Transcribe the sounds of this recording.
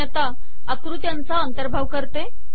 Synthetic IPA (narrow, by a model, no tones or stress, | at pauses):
ət̪a | əkɾut̪jant͡saənt̪əɾbʱaʋkəɾt̪e